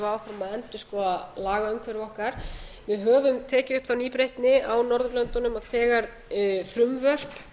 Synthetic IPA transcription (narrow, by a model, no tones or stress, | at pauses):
vaːwfɾamaðɛnt̪ɪskɔaðlaːɣaʏmkʰvɛɾvɔhkaɾ̥ | vɪðɦœːvʏmt̪ʰɛːcɪʏhpθawniːpɾejht̪nɪawnɔɾðʏklœnt̪ʊnʏmaðθɛːɣaɾ | θɾʏmvœr̥p